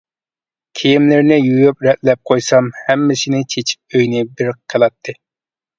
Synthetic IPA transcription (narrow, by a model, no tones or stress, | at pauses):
kʲʰijimlɪɾnɪjujupɾɛt̪lɛp̚qʰojsɑmhɛmːɪsɪnɪt͡ʃʰet͡ʃʰi̥p̚øjnɪbɪɾqʰːelˠɑt̪ʰːɨ